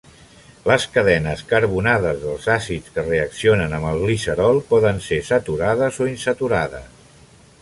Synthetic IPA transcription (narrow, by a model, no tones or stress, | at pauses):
ləskəðɛnəskəɾβunaðəzðəlˠzasit͡skəreəksionənəmbəlˠɣlisəɾɔlˠpɔðənsesət̪uɾaðəzoinsət̪uɾaðə̰s